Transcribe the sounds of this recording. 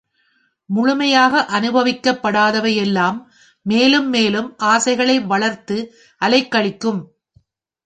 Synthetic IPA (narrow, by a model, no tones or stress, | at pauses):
mʊɻʊmɐjaːɣɐʔɐnɯbɐʋɪkːɐpːɐɽaːðɐʋɐjɛlːaːmː | eːlɯmːeːlɯmʔaːsɐɪɣɐɭɐɪʋɐɭɐɾt̪ɯ | ʔɐlɐɪkːɐɭɪkːɯm